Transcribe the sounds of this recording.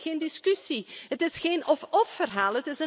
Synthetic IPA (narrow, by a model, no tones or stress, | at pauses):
xeːndiskysiɦətɪsxeːnɔfɔffərɦaːlˠətɪsə